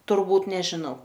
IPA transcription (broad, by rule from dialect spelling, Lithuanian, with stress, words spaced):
tʊrˈbuːt nʲɛʒʲɪˈnɐʊ